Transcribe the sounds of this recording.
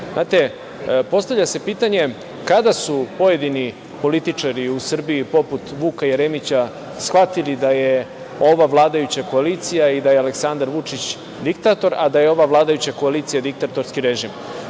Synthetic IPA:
znaːt̪e̞ | po̞st̪avʎase̞piːt̪aɲe̞ | kad̪asupo̞je̞d̪ini | po̞lit̪it͡ʂaɾiusr̩biipo̞put̪ʋuːkajeɾemit͡ɕa | sxʋat̪ilid̪aje | o̞ʋaʋlˠaːd̪ajut͡ɕako̞aliːt̪sijaid̪ajealeksand̪aɾʋut͡ʂit͡ɕ | d̪ikt̪at̪o̞ɾa̰d̪ajeo̞ʋaʋlˠaːd̪ajut͡ɕako̞aliːt̪sijad̪ik̚t̪at̪o̞ɾskiɾe̞ʒim

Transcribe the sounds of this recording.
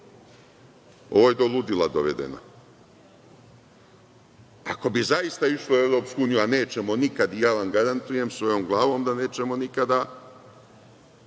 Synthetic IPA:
o̞̰ʋojed̪o̞lˠud̪ilad̪oʋḛd̪ḛno̰ | a̰ko̞bizajist̪aiʃloue̞ʋɾoːpskuuːnijuane̞ːt͡ʃe̞mo̞nikad̪ijaːʋamɡaɾant̪uje̞msʋo̞jo̞ːmɡlˠaːʋo̞ːmd̪ane̞ːt͡ʃe̞mo̞nikad̪a

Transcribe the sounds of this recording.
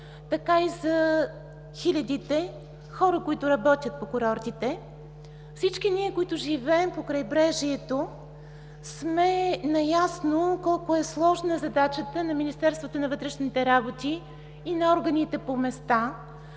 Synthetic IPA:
t̪ɐkaizɐ | xilʲɐd̪it̪ɛ | xɔɾəkoit̪ʊɾɐbɔt̪ʲjət̪̚pokʊɾɔɾt̪it̪ɛ | fsit͡ʃkiniɛkoit̪ʊʒivɛɛmpokɾɐjbɾɛʒiɛt̪o | smɛnɐjasnokɔlˠkoɛslˠɔʒnəzɐd̪at͡ʃət̪ənɐminist̪ɛɾst̪vot̪onɐvɤt̪ɾɛʃnit̪ɛɾabot̪iː | nɐɔɾɡɐnit̪ɛpomɛst̪a

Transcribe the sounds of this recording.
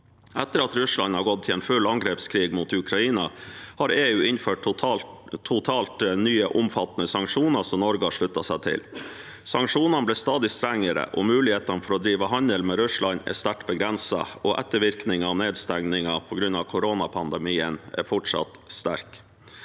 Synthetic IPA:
ʔɛt̪ːəɾɑt̪ɾʉslɑ̰nhɑɾɡɔt̪̚t̪ʰːɪlɛːnfʉlːɑŋɡɾeːpskʰɾiːɡmuːt̪ʉkʰɾɑiːnɑhɑɾeːʉːɪnføːʈʊt̪ʰːʊt̪ʰɑːlt̪nyːəʔʊmfɑt̪nəsɑŋkʂuːnɑsɔmnɔɾɡəɑʂɭʉt̪ːɑsæt̪ʰɪ̰l | sɑŋkʂuːnɑnəblɛːst̪ɑːd̪ɪst̪ɾæŋːəɾə̰ʔɔmʉːlɪheːt̪ɑnfɔɾɔd̪ɾiːʋəɦɑnəlmɛɾʉslɑnɛ̰st̪æʈbəɡɾɛnsɑ̰ɔʔɛ̰t̪ːəɾʋɪɾknɪŋɑːʋneːd̪st̪æŋnɪŋɑpʰɔɡɾʉnɑʋkʰʊɾoːnɑpʰɑnd̪əmiːənæ̰ɾfɔʈʂɑ̰t̪st̪æ̰ɾk

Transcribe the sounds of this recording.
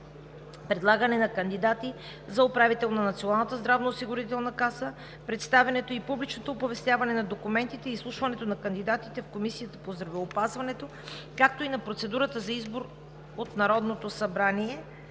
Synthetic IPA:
pɾɛd̪lˠaɡɐnɛnɐkənd̪id̪at̪i | zɐopɾavit̪ɛlˠnɐnɐt̪sionalˠnət̪əzd̪ɾavnɐːsiɡʊɾit̪ɛlˠnɐkasə | pɾɛt̪st̪avɛnɛt̪oipublit͡ʃnot̪oːpovɛst̪ʲjavɐnɛnɐd̪okumɛnt̪it̪ɛislˠuʃvɐnɛt̪onɐkənd̪id̪at̪it̪ɛfkomisijət̪ə̥pozd̪ɾɐvɛopazvɐnɛt̪o | kak̚t̪oinɐpɾot̪sɛd̪uɾət̪əzɐizboɾ | ot̪nɐɾɔd̪not̪osɐbɾaniɛ

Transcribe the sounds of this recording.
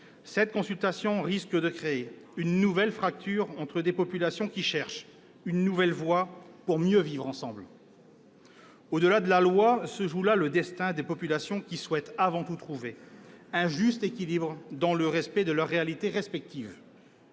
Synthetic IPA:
sɛt̪̚kɔ̃sylt̪asjɔ̃ʁiskəd̪əkχee | ynːuvɛlfχak̚t̪yʁɑ̃t̪χəd̪epɔpylasjɔ̃kʲiʃɛʁʃ | ynːuvɛlvwapuʁmjøvivʁɑ̃sɑ̃bl | od̪əlad̪əlalwasəʒulaləd̪ɛst̪ɛ̃d̪epɔpylasjɔ̃kʲiswɛt̪avɑ̃t̪ut̪χuveɛ̃ʒyst̪ekʲilibʁəd̪ɑ̃ləʁɛspɛd̪əlœʁːealit̪eʁɛspɛk̚t̪iv

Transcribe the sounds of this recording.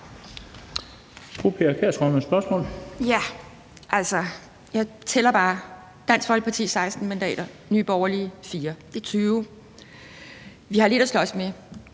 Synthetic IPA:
fopʰeæɐkʰeɐsʁœməsb̥ɶɐsmɔ̰ːljæ | ʔæl̰sɒ | jɑ̈ɪt͡sʰelɐb̥ɑ̈ː | d̥æn̰sɡ̥ʋɒ̽l̰̥̚pʰɑ̈t͡sʰḭːsɑ̈ɪsd̥n̩mænd̥ɛ̰ːɾ̥ɐ | nyːb̥ɒʊɐliəfiːɐd̥e̝t͡sʰyːʊ | ʋihɑ̈le̝ɾ̥æslɒ̽sme

